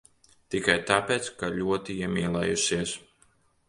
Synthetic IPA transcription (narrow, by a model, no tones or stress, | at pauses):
t̪ikajt̪apeːt̪skalʲuɔt̪iiɛmʲiːlˠɛ̰jusiɛs